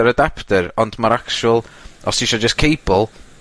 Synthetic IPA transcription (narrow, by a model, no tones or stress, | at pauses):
əɾədaptəɾɔndmaɾakt͡ʃuəlˠɔsiʃɔd͡ʒəskʰejbəlˠ